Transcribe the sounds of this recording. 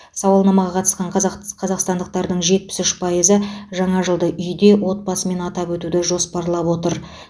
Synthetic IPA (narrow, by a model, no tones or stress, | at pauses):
sɑwɑlˠnɑmɑʁɑqʰɑt̪ə̥sqɑɴqqʰɑzɑqst̪ɑnd̪əq̚t̪ɑɾd̪əɴʒe̞t̪̚pɪ̥sʏʃpʰɑjəzəʒɑɴɑʒəlˠd̪əʔʏjd̪e̞wo̞t̪̚bɑsəme̞nɑt̪ɑpwɵt̪ud̪ɪʒo̞spɑɾlˠɑpwo̞t̪əɾ